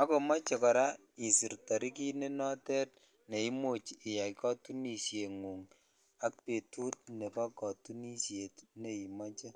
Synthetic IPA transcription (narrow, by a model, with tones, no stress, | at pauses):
a˦ko˨mɔ˦t͡ʃe˨kɔ˨ɾa˦ | i˨si˨rtɔ˨ɾi˦ki˦ne˦nɔ˦tɛ˦t | ne˨i˦mo˦t͡ʃɪ˨ja˨kɔ˦tu˦ni˨sje˨ŋu˨ŋ | a˦k̚pe˨tu˦t̚ne˨pa˦kɔ˨tu˦ni˦sje˨tne˨i˨mɔ˦t͡ʃe˦